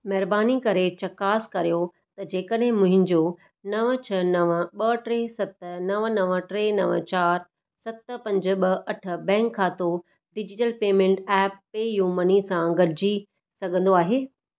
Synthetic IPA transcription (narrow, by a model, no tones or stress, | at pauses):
mɐɦɾbaːnikɐɾet͡ɕɐkaːskɐɾijo | t̪ɐd͡ʑeːkəɗɦɪ̃mʊ̃ɦɪ̃ɲd͡ʑo | nɐʋət͡ɕʰɐnɐʋəɓɐʈɾeːsɐt̪nɐʋənɐʋə̆ʈɾenɐʋə̰t͡ɕaːɾ | sɐt̪̆pɐ̃ɲd͡ʑɓɐʔɐʈʰə̆bɛ̃ːŋkʰːãːt̪o | ɖɪd͡ʑɪʈəlpeːmẽːɳʈɛːpːeːjuːmənisãɡɐɽɪd͡ʑi | sɐɡʱə̃nd̪oaːɦeː